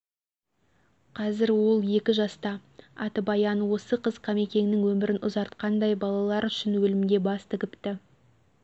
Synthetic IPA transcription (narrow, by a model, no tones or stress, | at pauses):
qʰɑzɪɾwo̞lˠe̞kʲɪʒɑst̪ɑɑt̪əbɑjɑnwo̞səqəz̥qʰɑme̞kʲe̞ŋɪnɪŋwɵmɪɾɪnʊ̰zɑɾt̪qɑnd̪ɑjbɑlˠɑlˠɑɾʏʃɪnwɵlɪmɪd̪e̞bɑst̪ʰɪkʲɪpt̪ɪ